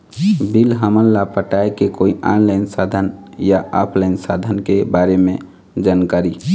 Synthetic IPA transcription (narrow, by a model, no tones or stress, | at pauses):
bilɦəmənlapəʈaekekoiʔa̰ːnlaɪnsad̪ʱənjaɔpʰlaɪnsad̪ʱənkebaɾemẽ | d͡ʒankaːɾi